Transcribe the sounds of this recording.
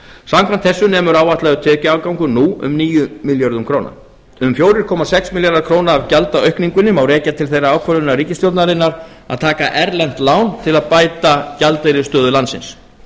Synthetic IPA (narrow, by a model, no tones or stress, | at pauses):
samkʰvant̪θɛsːʏnɛːmʏɾaːwvaht̪lɛɣʏt̪ʰɛːcɪaːwkawŋkʏnuʏ̰mniːjʏmiljaɾðʏmkʰɾowna̰ | ʏmfjoːwɾɪɾ̥kʰɔːmasɛksmiljaɾðaɾkʰɾoːwnaːvcalt̪aœɥhkniŋkʏnʏmawrɛːcat̪ʰɪlθejraaːwkʰvœɾlʏnːariːcɪst̪jowt̪naɾɪnːaɾ | a̰ðt̪ʰaːkaʔɛɾlɛn̥t̪laːwnt̪ʰɪlaðpaːjt̪acalt̪ejɾɪst̪œːðʏlant̪sɪ̰ns